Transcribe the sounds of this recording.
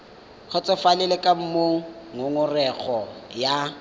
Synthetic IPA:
k͡xʰʊt͡sʼɔfalɪlɪkʼam̩moŋʊŋʊrɛɣʰɔja

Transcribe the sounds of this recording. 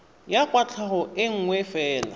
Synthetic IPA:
jakʼwat͡ɬʰaχʊɪŋ̩ŋwɛfɛːla̰

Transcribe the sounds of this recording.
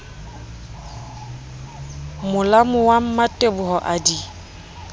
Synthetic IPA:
mʊlamʊwam̩matʼebʊɦɔʔadi

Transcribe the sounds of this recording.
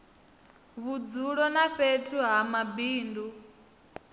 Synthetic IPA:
βud͡zuɺɔnaɸetʰuɦamabiːndu

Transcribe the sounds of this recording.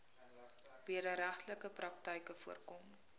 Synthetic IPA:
b̥iəɾəɾæχtləkəprɐk̚təjkəfuərkɔm

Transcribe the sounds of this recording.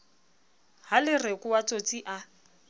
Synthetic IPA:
halɪrekʼʊwat͡sʼot͡sʼiʔa

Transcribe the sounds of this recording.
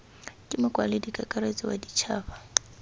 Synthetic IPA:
kʼɪmʊkʼwa̰lɪdikʼakʼaɾet͡sʼiwa̰dit͡ʃʰaːβa

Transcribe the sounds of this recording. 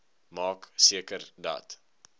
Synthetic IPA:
mɑːksiəkərdɐ̰t

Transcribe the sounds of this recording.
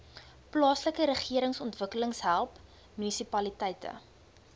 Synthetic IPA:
plɑːsləkəɾəχiəɾəŋsɔntvəkələŋsɦælˠp | mynisipɐlitɛjtə̰

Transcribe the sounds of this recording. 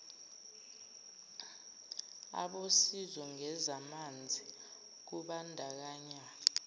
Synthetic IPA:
a̰ɓosizɔŋɛzamand͡zʱi | k̬uɓandʱak̬aːɲa

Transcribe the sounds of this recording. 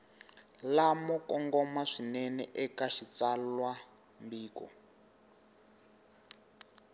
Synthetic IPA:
lamɔkɔŋɡɔmaʂinɛnɛ̰ʔɛkaʃit͡salwa | mbiːkɔ̰

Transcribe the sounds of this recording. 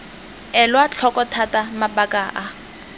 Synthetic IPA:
ɛlwat͡ɬʰɔkɔtʰatamabakʼaʔa

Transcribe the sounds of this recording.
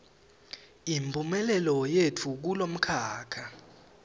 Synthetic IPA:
impʼumɛlɛlɔjetʰuk̬ulom̩kʰaːkʰa

